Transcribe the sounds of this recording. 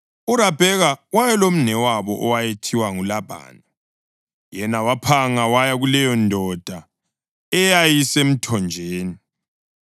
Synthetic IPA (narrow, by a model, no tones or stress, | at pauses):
uɾab̥ʱɛɣawajɛlom̩nɛwaβɔʔɔwajetʰiwaŋulabʱa̰ːna | jɛnawapʰaŋawajaɣulɛjɔndʱɔd̥ʱa | ɛjajisem̩tʰɔnd͡ʒʱeːni